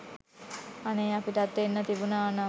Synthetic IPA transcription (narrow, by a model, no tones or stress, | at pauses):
anejapiʈat̪ːenːət̪ibunaːna